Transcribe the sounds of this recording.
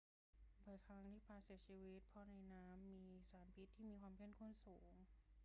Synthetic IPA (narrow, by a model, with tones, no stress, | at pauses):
bɔː˧˩jkʰa˦˥ŋt̪ʰiː˥˩pʰaː˧˩si˨˩˦ət͡ɕʰiː˧wi˦˥t̪̚pʰɔ˦˥na˧jnaː˦˥mːiː˧saː˩˦npʰi˦˥t̪ʰːiː˥˩miː˧kʰwaː˧mkʰe˥˩ə˨nkʰu˥˩nsuː˩˦ŋ